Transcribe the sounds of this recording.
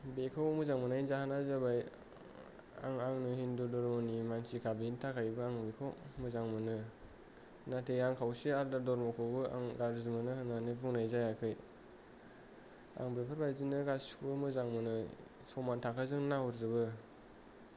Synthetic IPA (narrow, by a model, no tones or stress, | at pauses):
bekʰawmuzaŋmɯnajnzahanazabaj | a̰ŋaŋnɯhindudɔɾmɔnimansikʰabintʰakʰajbɯaŋbekʰawmuzaŋmɯnɯ | natʰejaŋkʰawsiaɾdadɔɾmɔkʰɔbɯa̰ŋɡaɾzimɯnɯhɯnanɯvuŋnajzajakʰɯj | a̰ŋbepʰɯɾbajzinɯɡasɯmɯzaŋmɯnɯ | sɔmantʰakʰazɯŋnahuɾzɯbɯ